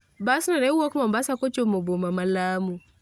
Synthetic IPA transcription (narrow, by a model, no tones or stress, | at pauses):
basinaɾɛɔkmambasakot͡ʃomobomamalamu